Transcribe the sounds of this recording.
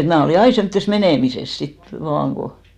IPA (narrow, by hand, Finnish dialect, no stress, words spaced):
et mnæˑ oliˑ ɑi semtːes meneˑmises sit ʋɑːŋ ko